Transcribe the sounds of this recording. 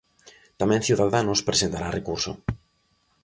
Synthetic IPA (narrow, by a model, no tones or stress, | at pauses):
t̪amɛ̃ŋθjuwðaðanospɾesent̪aɾarekuɾso̰